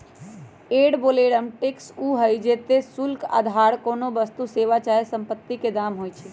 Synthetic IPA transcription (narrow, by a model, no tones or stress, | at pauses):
eɽboleɽəmʈeksuɦəjd͡ʒet̪esulka̰d̪ʱaɾkonobəst̪useʋat͡ʃaɦesəmpət̪ːiked̪amɦojt͡ʃʰɛ